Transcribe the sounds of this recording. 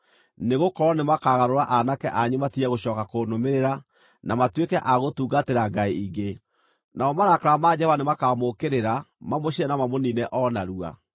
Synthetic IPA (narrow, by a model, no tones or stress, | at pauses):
neɣokɔɾɔnemakaɣaɾoɾaʔanakɛʔaɲumatiɛɣoɕɔːkakonomeɾeɾa | namatwekɛʔaɣotuːɡateɾaɡaiiɡe | naɔmaɾakaɾamad͡ʑɛwanemakamokeɾeɾamamoɕiɾɛnamamoninɛʔɔnaɾua̰